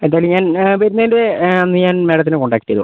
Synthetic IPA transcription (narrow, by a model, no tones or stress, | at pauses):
end̪aːjlɲːaːnʋɐɾunːɐindeɐnːɨɲaːnmeːɽɐt̪̬ːinɨkoɳɖaːkːi̥ʈːijɐ̰ðṵ